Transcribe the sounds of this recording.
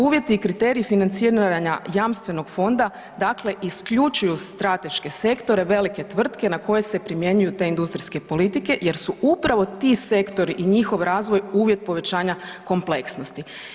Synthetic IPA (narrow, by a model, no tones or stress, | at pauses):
uːʋje̞t̪iːkɾit̪e̞ɾiːfinant̪siːɾaɲajamst̪ʋe̞no̞ɡ̥fo̞nd̪a | d̪akle̞ʔiskʎut͡ʃujust̪ɾat̪e̞ʃke̞se̞kt̪o̞ɾe̞ʋe̞like̞t̪ʋr̩t̪ke̞nako̞je̞se̞pɾimje̞ɲujut̪e̞ːind̪ust̪ɾiske̞po̞lit̪ike̞je̞ɾsuupɾaʋo̞t̪ise̞kt̪o̞ɾiʔiɲixo̞ʋɾaːzʋo̞juːʋje̞t̪̚po̞ʋe̞t͡ɕaːɲako̞mple̞ksno̞st̪i